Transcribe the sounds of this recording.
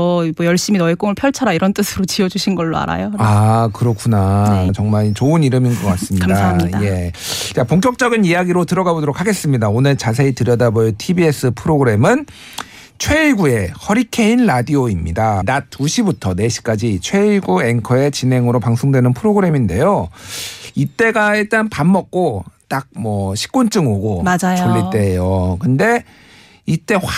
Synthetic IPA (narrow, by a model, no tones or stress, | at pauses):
mʌjʌɭɕ͈iminʌek͈oŋɯɭpʰjʌɭt͡ɕʰaɾaiɾʌnt͈ɯsʰɯɾot͡ɕiʌd͡ʑuɕʰinɡʌɭːoa̰ɾa̰joakɯɾʌkʰunat͡ɕʌŋmaɭt͡ɕoɯniɾɯminɡʌk͈as͈ɯmɲiadaaje̞t͡ɕapoŋk̬͈jʌk̚t͡ɕ͈ʌɡinijaɡiɾotɯɾʌɡabodoɾok̚ʰaɡe̞s͈ɯmɲidaonɯɭt͡ɕas̬ʰe̞itɯɾjʌdabojotʰibie̞s͈ʰɯpʰɯɾoɡɯɾe̞mɯn | t͡ɕʰwe̞ɡue̞hʌɾikʰe̞inɾadioimɲidanat͈̚ːuɕʰibutʰʌne̞ɕʰi̥k͈ad͡ʑit͡ɕʰwe̞iɭɡue̞ŋkʰʌe̞t͡ɕine̞ŋɯɾopaŋsʰoŋdwe̞nɯnpʰɯɾoɡɯɾe̞minde̞jo | it͈e̞ɡaiɭ̚t͈anpamːʌk̚k͈ot͈ak̚mwʌɕʰi̥k͈ont͡ɕ͈ɯŋoɡoad͡ʑajt͡ɕoʎːit͈e̞jokɯnde̞ | it͈e̞